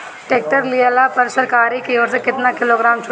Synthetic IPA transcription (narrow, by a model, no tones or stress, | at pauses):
ʈeːk̚ʈəɾlɪalaːpəɾsəɾkaːɾiːkeoːɾsekɪt̪naːkɪloːɡɾaːmt͡ʃʰʊ